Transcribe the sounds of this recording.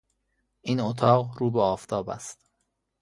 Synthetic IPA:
ʔiːnot̪ʰɒːɣɾuːbeɒːft̪ʰɒːbæ̰st̪

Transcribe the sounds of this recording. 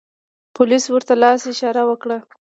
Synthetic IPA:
pʰʊliswəɾt̪alɑsɪʃɑɾawəkɽa

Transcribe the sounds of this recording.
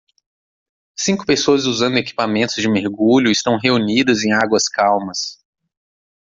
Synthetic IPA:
sĩŋkʊ̥pesoɐzuzɐ̃nd̪ʊeki̥pamẽnt̪ʊzd͡ʒɪmeɾɡuʎʊɪst̪ɐ̃w̃ɦeunid̪ɐzẽj̃aɡwɐskawmɐs

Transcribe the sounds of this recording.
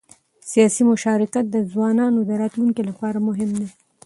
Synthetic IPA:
sijɑsimʊʃɑɾɪkat̪̚d̪əzwɑnɑnod̪əɾɑt̪luŋkilapɑɾamʊɦɪmd̪e

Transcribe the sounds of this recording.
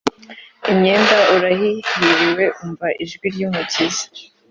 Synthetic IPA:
imɲeːndauɾaɦijiɾiwe̞ʔuɱvaʔiʒɡwiɾjuːmucʰizḁ

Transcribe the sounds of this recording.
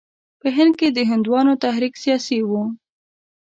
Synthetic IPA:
pəɦɪnd̪̚ked̪əɦɪnd̪wɑnot̪aɦɾiksijɑsiwu

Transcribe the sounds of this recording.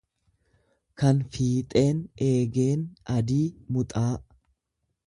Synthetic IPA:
kɐnfiːt̪ʼe̞ːne̞ːɡe̞ːnɐd̪iːmʊt̪ʼaː

